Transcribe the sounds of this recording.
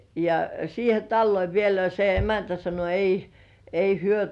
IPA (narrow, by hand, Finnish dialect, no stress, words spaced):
jɑ siːhe tɑlːoi ʋielæ jɑ se emæntæ sɑno ei ei hyø